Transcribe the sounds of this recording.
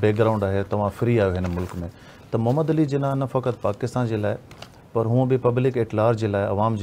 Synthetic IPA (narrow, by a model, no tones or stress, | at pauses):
beːɡɾaːʊ̃ɳɖaːɦet̪ɐʋ̤ãfɾiaːjoɦɪnmʊlkmẽ | t̪ɐmɐɦməd̪ɐlid͡ʑeːnãːnɐfɐkət̪paːkɪst̪aːnd͡ʑeːlaːɪ | pɐɾɦũːə̃bɪpɐblɪkeʈlaːɾd͡ʑeːlaːɪɐ̰ʋaːmd͡ʑ